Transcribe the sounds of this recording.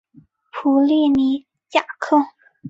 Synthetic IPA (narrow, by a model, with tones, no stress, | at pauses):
pʰu˧˥li˥˩ni˧˥ | t͡ɕja˥˩kʰɤ˥˩